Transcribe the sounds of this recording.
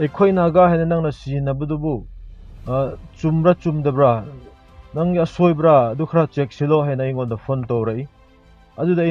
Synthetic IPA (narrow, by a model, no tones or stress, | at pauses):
ejkʰojnaɡaɦajnɐnaŋnɐsinɐbɐdubu | t͡ʃumbɾat͡ʃumdɐbɾa | naŋɡiɐsojbɾaːdukʰɾat͡ʃek̚siloɦajnɐːjŋondɐpʰontowɾaj | ɐdudɐj